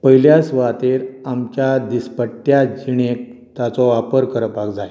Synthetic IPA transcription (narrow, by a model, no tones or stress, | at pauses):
pəɦiljasʋat̪eɾamt͡ɕjad̪ispəʈːjad͡ʑiɽ̃ek̚ | t̪jat͡sɔʋapəɾkəɾəpaɡd͡zaj